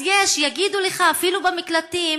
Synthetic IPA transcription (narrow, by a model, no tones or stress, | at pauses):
jeʃjaɡid̪uleχaːfilubamiklat̪i